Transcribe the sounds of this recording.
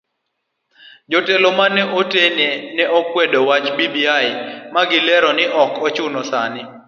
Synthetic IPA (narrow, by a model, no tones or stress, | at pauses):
d͡ʒɔtɛlomanɛʔotenenɛɔkwedɔwat͡ʃbibiaɪmaɡɪlɛɾɔnɪʔɔkʰɔt͡ʃʊnɔsa̰nɪ